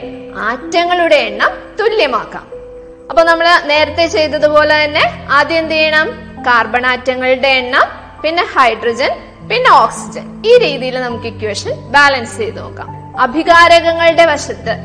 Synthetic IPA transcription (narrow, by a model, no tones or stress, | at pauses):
aːtːjɐŋːɐɭuɽe̞eɳːaːmt̪uljɐmaːkːa̰ːm | ɐpːoːnɐmːɐɭne̞ːɾɐt̪ːet͡ɕe̞jt̪ːɐðupo̞ːle̞t̪ɐnːe̞aːd̪jɐnd̪ijɐɳaːm | kaːrbɐɳaːtːɐŋːɐɭuɽe̞ːɳːaːm | pinːe̞hɐjɖrɐd͡ʑɐn | pinːe̞oːksid͡ʑɐniːɾiːðijilnɐmukːikʲːʋeːʂɐnbaːlɐnsɨ̥t͡ɕe̞jt̪ɨnoːkːa̰ːm | ɐbʱiɣaːɾɐɣɐŋːɐɭuɽe̞ʋɐʂɐt̪ːɨ